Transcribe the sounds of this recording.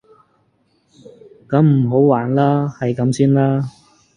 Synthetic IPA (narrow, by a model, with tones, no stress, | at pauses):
kɐ˨˥mm̩˨˩ɦo˨˥wwaː˨˩nlaː˥hɐ˨jkɐ˨˥msiː˥nlaː˥